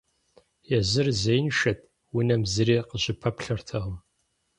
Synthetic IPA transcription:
jɛzɨrzejnʃɐt̚ʰʼ | wʊnɐmzɨɾiːqəɕɪpʰɐpɬɐrtʰɐʁəm

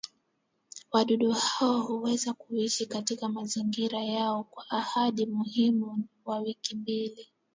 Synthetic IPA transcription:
waɗuɗuhaɔhuwɛzakuiʃikatikamaziŋɡiɾajaɔkwaʔːhaɗimuhimuwawikimbili

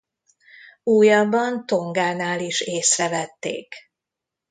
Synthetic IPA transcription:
uːjɒbːɒnt̪o̞ŋɡaːnaːliʃeːsrɛvɛt̪ːḛːk

